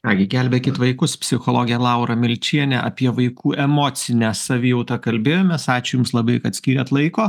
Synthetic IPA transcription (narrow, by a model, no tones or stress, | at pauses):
kɑːɡʲɪɡʲɛlʲbʲeːkʲɪt̪ʋɐɪkʊspʲsʲɪxoːlˠoːɡʲɪjɛlˠɐʊɾɐmʲɪlʲt͡ʃʲiɛnʲɛʔɐ̰pʲiɛʋɐɪkʰuːʔɛmoːsʲɪnʲæːsɐʋʲiːjɛʊt̪ɐkɐlʲbʲeːjoːmʲɛssɑːt͡ʃʲejʊmslˠɐbɐɪkɐt̪sʲkʲiːɾʲɛt̪lˠɐɪkoː